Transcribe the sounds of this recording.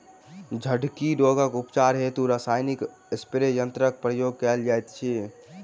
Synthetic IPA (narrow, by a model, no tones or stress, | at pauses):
d͡ʒʱəɖkiɾoɡəkupt͡ʃaɾɦet̪uɾasajnik | espɾejənt̪ɾək̚pɾəjoɡ̚kɛld͡ʒajt̪t͡ʃʰi